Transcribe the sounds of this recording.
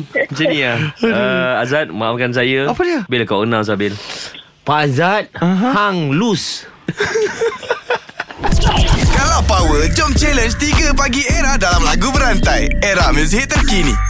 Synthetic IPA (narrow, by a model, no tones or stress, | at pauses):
t͡ʃənĩaəazat̪̚maafkans̬ajaapəliəbelkawənãws̬abɪl | pazat̪̚ɦhaŋlus | kalapawəd͡ʒɔmt͡ʃɛlənt͡ʃt̪iɡəp̬aɡieɾahdalamlaɡubəɾant̪ajeɾahmə̃s̬iɦɪt̪ːərkini